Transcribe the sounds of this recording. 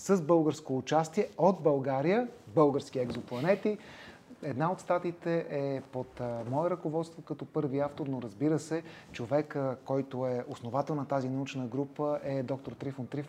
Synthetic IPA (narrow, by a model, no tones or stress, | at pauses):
səzbɤlˠɡəɾskoːt͡ʃast̪iɛod̪̚bɐlˠɡaɾijəbɤlˠɡəɾskiɛɡzoplˠɐnɛt̪i | ɛd̪naot̪st̪at̪it̪ɛʔɛpot̪mɔɛɾəkovɔt̪st̪vokɐt̪ɔpɤɾviaft̪oɾnoɾəzbiɾəsɛt͡ʃovɛkkːɔjt̪oɛosnovat̪ɛlˠnɐt̪azinɐut͡ʃnəɡɾupəʔɛd̪ɔk̚t̪oɾt̪ɾifont̪ɾif